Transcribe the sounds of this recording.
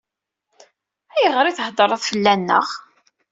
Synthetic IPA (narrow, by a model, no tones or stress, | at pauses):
æjəʁɾiθəhd̪ˤəɾˤəðˤfəlːænːə̰ʁ